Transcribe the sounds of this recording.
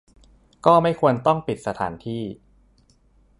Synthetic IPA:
kɔː˥˩ma˥˩jkʰu˧ənt̪ɔ˥˩ŋpi˨˩t̪̚sa˧t̪ʰa̰ː˩˦nt̪ʰiː˥˩

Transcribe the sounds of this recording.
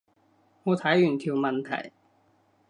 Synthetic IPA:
mo˨˧t̪ʰɐ˨˥jːyː˨˩nt̪ʰiː˨˩wmɐ˨˧nt̪ʰɐ̰˨˩j

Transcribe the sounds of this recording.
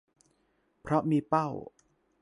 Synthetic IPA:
pʰɾɔ˦˥miː˧pa˥˩w

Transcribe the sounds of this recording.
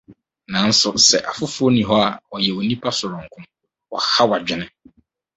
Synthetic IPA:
nã˨n̩˦sʊ˨sɛ˨ʔa̰˨fʊ˦fʊ˦o˦nĩ˨ɦɔ˦a˨wɔ˨jɛ˨o˨nĩ˦pʰa˦sʊ˨ɾʊ̃˨ŋ̩˨kʰʊ̃˦m | wɔ˨ha˦wa˨d͡ʑᶣɪ˦nɪ̃˦

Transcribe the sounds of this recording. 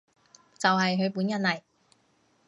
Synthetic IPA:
t͡sɐ˨wɦɐ˨jɦɵ˨˧ɥpuː˨˥njɐ˥nlɐ˨j

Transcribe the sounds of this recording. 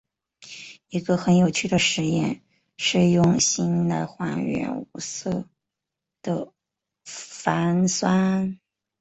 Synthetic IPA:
i˧˥ɡə˧xə˧˥njo˨˩ʊt͡ɕʰy˥˩d̪ə˩ʂɻ̩˧˥jɛ̰˥˧n | ʂɻ̩˥˩jʊ˥ŋɕi˥nla˧˩ɪxwa˧˥nɥɛ̰˧˥nṵ˧˩sɤ˥˩ | d̪̥ə˩ | fa˥nswa˥n

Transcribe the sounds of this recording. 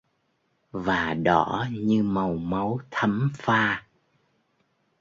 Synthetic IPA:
vaː˨˩ɗɔ̰˧˩˦ɲɨ˧mə˨˩wmə˨˦wt̪ʰə˨˦mfaː˧

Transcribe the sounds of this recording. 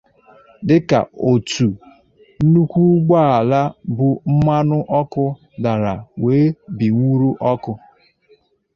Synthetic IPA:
dɪ˦ka̰˨o˨tu˨˦ | nu˦kʷu˦ɡ͡ba˦a˨la˦bʊ˨m̩˦ma˦nʊ˦ʔɔ˦kʊ˦ | da˨ɾa˨weː˨˦bi˨ŋʷu˦ɾu˦ʔɔ˦kʊ˦

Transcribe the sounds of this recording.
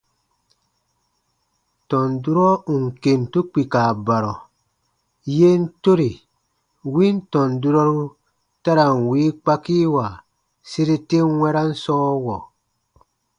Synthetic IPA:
tɔ˨ndu˦ɾɔ˦u˨ŋ˨ke˨ntu˦k͡pi˨ka˨ba˨ɾɔ˨ | je˦n̩˦to˦ɾi˨ | wi˦n˦tɔ˨ndu˦ɾɔ˦ɾu˦ | ta˦ɾa˨nwiː˦k͡pa˦ki˦wa˨ | se˦ɾe˦te˦wɛ˦ɾa˦n̩˦sɔː˦wɔ˨

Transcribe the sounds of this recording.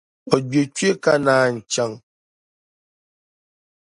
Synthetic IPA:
ɔ˨d͡ʒɥe˨t͡ʃe˦ka˦naː˨n̩˨t͡ʃa˨ŋ

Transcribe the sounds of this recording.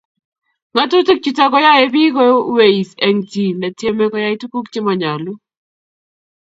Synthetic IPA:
ŋa˨˦tu˦tu˦k̚t͡ʃi˨ta˦kɔ˦ja˦e˦bi˦kɔ˦we˨i˨sɛ˨ŋti˨lɛ˨tje˦me˦kɔ˦ja˦ɪ˦tu˦ku˦kt͡ʃɪ˦mɔ˨ɲa˨lu˦

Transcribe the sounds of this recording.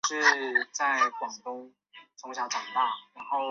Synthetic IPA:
ʂɻ̩˥˩t͡sa˥˩ɪkwɑ˨˩ŋt̪ʊ˥ŋ | ʈ͡ʂʰɤ˧˥ŋpu˧˩ɕjɑ˥˩ʈ͡ʂɑ˨˩ŋt̪a˥˩ɻa˧˥nxo˥˩ʊ

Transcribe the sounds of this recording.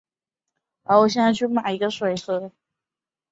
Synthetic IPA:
a˧˥wɔ˨˩ɕ̬jɛ˥na˥ɪt͡ɕʰy˥˩ma˨˩i˧˥ɡə˧ʂwe˨˩ɪxɤ˧˥

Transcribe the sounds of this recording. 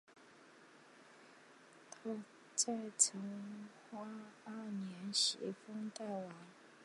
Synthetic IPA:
t̪ʰa˥ | t͡sa˥˩ɪt͡sʰɤ˧˥ŋxwa˥a˥˩njɛ˧˥nʂɻ̩̰˧˥fɤ˥ŋt̪a˥˩ɪwa˧˥˦

